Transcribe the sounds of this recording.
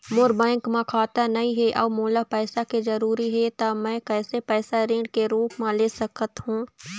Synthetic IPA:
mʊɾbɛ̃ːŋkmãkʰaːt̪anɐɦĩɦɛʔɐːmoːlapɛːsakezɐɾuːɾiɦɛt̪amɛ̃kɛːsepɛːsaɾẽːɖkeɾuːpmãleːsɐkət̪ɦũː

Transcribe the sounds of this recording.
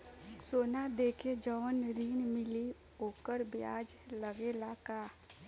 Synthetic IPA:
soːnad̪eːkʰed͡ʒəːnɾiːnmɪli | oːkəɾbjaːd͡ʒləɡelaka

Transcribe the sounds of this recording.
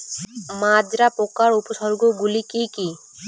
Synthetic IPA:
mad͡ʒɾapokaɾupoʃɔɾɡoɡulikiki

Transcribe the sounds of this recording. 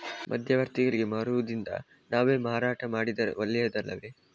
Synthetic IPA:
mʔɐ̰d̪ʱjɐʋɐɾt̪iɡɐɭiɡe̞maːɾuʋud̪ind̪ɐ̰ | naːʋeːmaːɾaːʈɐmaːɽid̪ɐɾḛolːɛjɐd̪ɐlːɐ̰ʋe̞

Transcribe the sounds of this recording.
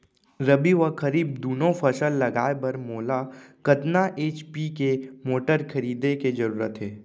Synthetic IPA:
ɾɐbiʋakɐɾiːb̚d̪uːnõpʰɐsəlːɐɡaːebɐɾmoːlakɐt̪naʔeːt͡ʃpikemoːʈəɾkʰɐɾiːd̪eked͡ʒɐɾuːɾət̪ɦɛː

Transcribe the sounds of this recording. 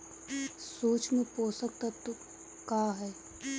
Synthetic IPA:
soːt͡ʃmẽpoːsək̚t̪ɐt̪ːo | kaːɦɛː

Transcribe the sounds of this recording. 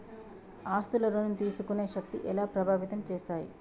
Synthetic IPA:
aːst̪ulɐɾoːnnit̪iːsukune̞ːʃɐk̚t̪ḭʔɛlaːpɾɐbʱaːʋit̪ɐmt͡ʃeːst̪aːjḭ

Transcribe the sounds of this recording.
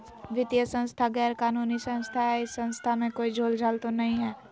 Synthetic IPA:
ʋɪt̪ijəsə̃nst̪ʰaɡɛːɾkaːnuːnisə̃ñst̪ʰaɦɛɪsːə̃nst̪ʰamẽkoːid͡ʒʱoːld͡ʒʱaːlt̪onɐɦĩɦɛː

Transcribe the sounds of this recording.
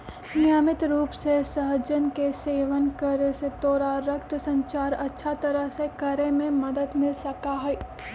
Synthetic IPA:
nɪjaːmɪt̪ɾuːpsesɐɦəd͡ʒənkeseːʋənkəɾeset̪oːɾaɾɐkt̪sɐ̃ɲt͡ʃaːɾɐtːʃʰat̪ɐɾəɦsekɐɾemẽmɐd̪əd̪mɪlsɐkaɦɛː

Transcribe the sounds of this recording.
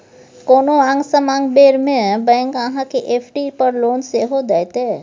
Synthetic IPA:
koːnoãŋɡsəmãŋɡbeːɾmẽbɛ̃ːŋkãɦãkeʔeːpʰʈipəɾloːnseɦod̪ajt̪eː

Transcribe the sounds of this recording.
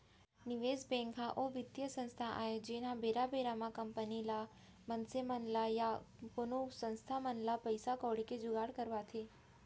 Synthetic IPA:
nɪʋezbɛ̃ŋkɦãʔoʋɪd̪jəsə̃nst̪ʰaʔa̰ɦed͡ʒenãbeɾabeɾamãkəmpənila | mənsemənlajapʊnusə̃nst̪ʰamənlapəjsakɔɽiked͡ʒʊɡaɽkəɾʋat̪ʰe

